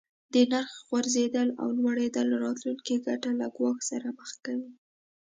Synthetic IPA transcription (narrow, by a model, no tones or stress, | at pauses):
d̪ənaɾxɣwaɾzed̪əla̰wlwaɽed̪əlːaɾɑt̪luŋkiɡaʈalaɡwɑxsaɾaməxkawi